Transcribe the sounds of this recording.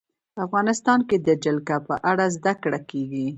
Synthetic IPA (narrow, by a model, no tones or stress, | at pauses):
afɣɑnɪst̪ɑnked̪əd͡ʒɪlkapəʔaɽazd̪akɽakeɡi